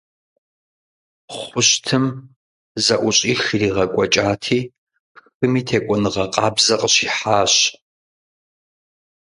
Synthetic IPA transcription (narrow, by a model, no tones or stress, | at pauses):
χʷʊɕtʰɨm | zɐʔʷʊɕʼiːxiriːʁɐkʷʼɔt͡ʃʼaːtʰiː | pxɨmiːtʰeːkʷʼɔnɨʁɐqʼɑːbzɐqʼəɕiːħaːɕ